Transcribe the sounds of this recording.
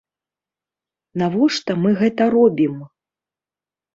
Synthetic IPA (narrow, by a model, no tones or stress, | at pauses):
navɔʂt̪ɐmɨɣɛt̪ɐɾɔbʲim